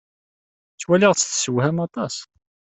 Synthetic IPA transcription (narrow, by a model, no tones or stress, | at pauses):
t͡sːwæliʁt͡sːθsəwhæmɑt̪ˤɑs